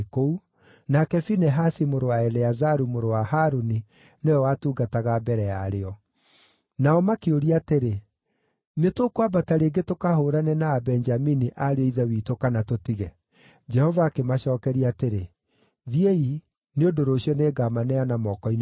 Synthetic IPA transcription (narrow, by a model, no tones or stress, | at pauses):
kou | nakɛfinɛɦasimoɾowaɛleazaɾumoɾowahaɾoni | neɔwatuːɡataɣabɛɾɛa̰ɾeɔ | naɔmakeoɾiateɾe | netokwabataɾeɡetokahoɾanɛnaːbɛnd͡ʒaminiʔaɾeɔiðɛwiːtokanatotiɣɛ | d͡ʒɛhɔvaːkemaɕɔːkɛɾiaːteɾe | ðiei | neodoɾoːɕjɔneːɡamanɛanamɔkɔin